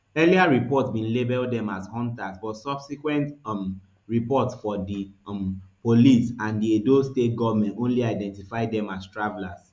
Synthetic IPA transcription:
ɛliaɹipɔtbĩnlebɛldɛ̃mashɔ̃ntasbɔtsɔbsikwɛ̃nt | ɹipɔtsfɔdimpolisãndiedostet̚ɡɔvamɛ̃ntõnliaɪdɛ̃ntifaɪdɛ̃mastɹavɛlas

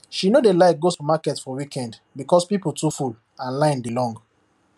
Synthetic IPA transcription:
ʃinodelaɪkɡostumakɛtfɔwikʰɛ̃ndbikɔspipultuful | ãnlãɪ̃ndilɔ̃ŋɡ

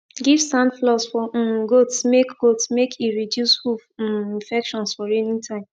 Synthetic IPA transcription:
ɡiv̥sãndflɔsfɔɡotsmekɡ̥otsmekʰiɹidjushufĩnfɛkʃɔ̃nsfɔɹinĩntʰãɪ̃m

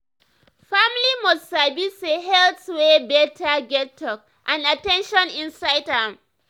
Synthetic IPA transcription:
familimɔssabiseɦɛltswebɛtʰaɡɛtʰːɔk | ʔãnatɛ̃nʃɔ̃nĩnsaɪdhãm

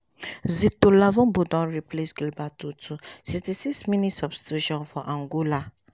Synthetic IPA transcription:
zit̪olavɔ̃bodɔ̃ɾiplesɡilbatutusikstisiksmĩnitsɔfstud͡ʒɔ̃nfɔʔãŋɡola

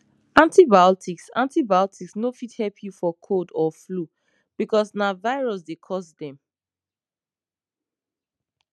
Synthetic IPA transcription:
ãntibaɔtʰiksã̰ntibaɔtʰiksnofithɛlpʰjufɔkʰodɔflu | b̥ikɔsnavaɪɹɔs̬dekʰɔsdɛ̃m

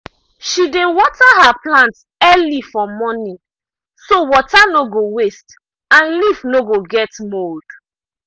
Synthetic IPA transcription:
ʃidewɔtaɦaplãnts | ɛlifɔmɔnĩ | sowɔtanoɡowest | ãnlifnoɡoɡɛtmold̥

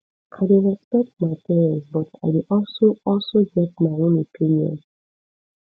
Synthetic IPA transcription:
ʔaɪdeɹɛspɛk̚tmaɪtɛzbɔta̰ɪdiʔɔlsoɔlsoɡɛt̚maɪõnopʰĩnjɔ̰̃n

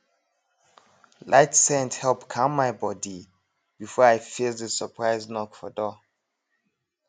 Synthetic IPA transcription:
lʔaɪtsɛ̃nthɛlˠpkʰãmːajbɔdi | b̥ifɔajfiðəsəpʰɹaɪznɔkfɔdɔ

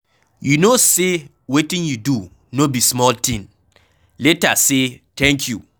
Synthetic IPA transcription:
junose | wetĩnjudu | nobismɔltĩn | letasetʰɛ̃ŋkʰjṵ

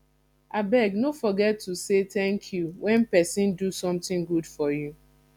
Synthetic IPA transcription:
abɛɡnofɔɡɛtːuset̪ɛ̃ŋkʰjuwɛ̃npɛsĩndusɔ̃mt̪ɪ̃ŋɡudfɔju

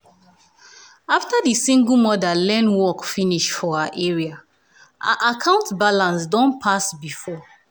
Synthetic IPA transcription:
aftadisĩŋɡl̩ˠmɔdalɛ̃nwɔkfiniʃfɔaʔɛɹia | ʔa̰ʔakʰãʊ̃ntbalãnsdɔ̃npʰasbifɔ

